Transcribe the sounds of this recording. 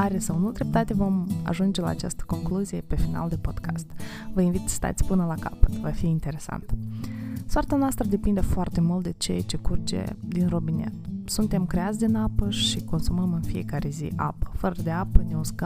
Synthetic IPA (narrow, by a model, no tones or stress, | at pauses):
aɾesawnud̪ɾe̞p̚t̪at̪evo̞ma̰ʒund͡ʒe̞la̰ːt͡ʃa̰st̪ə̥ko̞ŋkluzije̞pe̞fina̰ld̪e̞po̞d̪ka̰st̪ | vəinvit̪sə̥st̪a̰t̪sʲpɨnəlaka̰pə̥t̪vafiːnt̪e̞ɾe̞sa̰nt̪ə | sʊart̪anoast̪ɾəd̪e̞pind̪efoart̪e̞mult̪̚d̪e̞t͡ʃejat͡ʃe̞kurt͡ʃḛd̪inro̞binḛt̪sunt̪e̞mkɾeat̪sʲd̪inapəʃiko̞nsuməmɨnfije̞̰kaɾe̞zḭʔa̰pə̥fəɾəd̪e̞apəneusk